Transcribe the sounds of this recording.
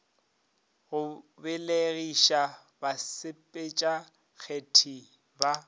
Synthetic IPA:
ɣʊbɪleɣiʃa | basɪpʼet͡ʃʼa | k͡xʰetʰi | ba

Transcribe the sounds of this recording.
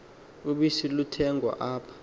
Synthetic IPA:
uɓisilutʰɛŋɡʱwa̰ʔaːpʰḁ

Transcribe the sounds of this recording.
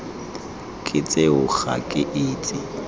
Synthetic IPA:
kʼɪt͡sʼeʊχa̰kʼɪʔɪːt͡sʼɪ

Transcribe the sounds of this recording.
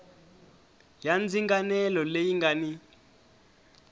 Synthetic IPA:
jand͡ziŋɡanɛlɔlejiŋɡani

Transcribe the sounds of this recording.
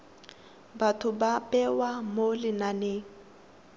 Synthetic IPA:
batʰʊbapʼɛwamolɪnaneːŋ̩

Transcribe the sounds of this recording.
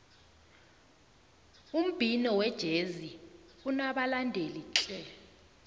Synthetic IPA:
um̩b̥ʱinɔwɛd̥ʒ̥ʱezi | unaɓalandʱeliǁʼɛ

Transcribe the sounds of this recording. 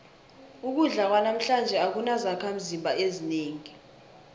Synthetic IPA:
uk̬uɮak̬wanam̩ɬand͡ʒʱɛak̬unazakʰam̩zimbʱaezineːŋi

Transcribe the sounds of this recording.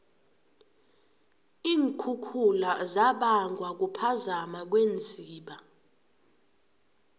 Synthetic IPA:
iːŋkʰukʰulazaɓaŋʱwak̬upʰazamak̬wend͡zʱiːɓa

